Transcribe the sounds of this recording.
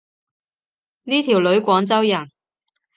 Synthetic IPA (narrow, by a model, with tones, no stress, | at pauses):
niː˥t̪ʰiː˨˩wlɵ˨˥ɥkʷɔː˨˥ŋt͡sɐ˥wjɐ˨˩n